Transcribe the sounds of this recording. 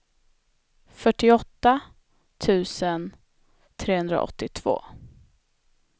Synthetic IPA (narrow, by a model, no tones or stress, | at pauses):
fœʈːɪɔt̪ːa | t̪ʰʉ̟ːsən | t̪ʰɾeːhɵnd̪ɾa̰ʔɔ̰t̪ːɪt̪ʰv̥o̰ː